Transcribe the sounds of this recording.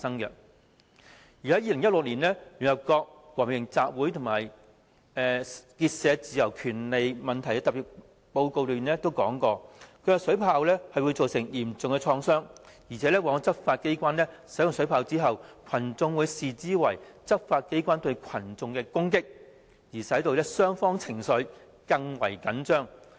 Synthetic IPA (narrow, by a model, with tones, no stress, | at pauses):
faː˧sɐ˥ŋkɛ˧ | jy˨hɐ˨˥jiː˧lɪ˨˩ŋjɐ˥t̚lʊ˨k̚liː˨˩nɛː˥y˨˩nɐ˨p̚kɔː˧k̚wɔː˨˩mjɪ˨˩ŋt͡saː˧p̚wuː˨˥jt̪ʰʊ˨˩ŋmaː˨˩j | ɛ˨˧kiː˧t̚sɛː˨˧t͡siː˨˧jɐ˨˩wkʰyː˨˩nle˨jmɐ˨˩nt̪ʰɐ˨˩jkɛ˧t̪ɐ˨pːiː˨˩t̚ | po˧wko˧wlyː˨nɛː˥t̪o˥wkɔː˨˥ŋkɔː˧kʰɵ˧ɥkɛ˧sɵ˨˥pʰaː˧wlɛː˥hɐ˨jwu˨˧jt͡so˨wsɪ˨˩ŋjiː˨˩mt͡sʊ˨ŋkɛ˧t͡ʃʰɔː˧ŋsœː˥ŋ | jiː˨˩t͡sʰɛː˨˥lɛː˥waː˧˥ŋ˧t͡sɐ˥p̚faː˧t̚ke˥jkʷaː˥nlɛː˥sɐ˨˥jʊ˨˧ŋsɵ˨˥ɥpʰaː˧wt͡siː˥ɦɐ˨wkʰɐ˨˩nt͡sʊ˧ŋwuː˨˧jsiː˨t͡siː˥wɐ˨˩jt͡sɐ˥p̚faː˧t̚ke˥jkʷaː˥nt̪ɵ˧ɥkʰɐ˨˩nt͡sʊ˨ŋkɛː˧kʊ˥ŋkɪ˥k̚ | jiː˨˩sɐ˨˥jt̪o˨˧wlɛː˥sœː˥ŋfɔː˥ŋt͡sʰɪ˨˩ŋsɵ˨˥ɥ | kɐ˧ŋwɐ̰˨˩jkɐ˨˥nt͡ʃœː˥ŋ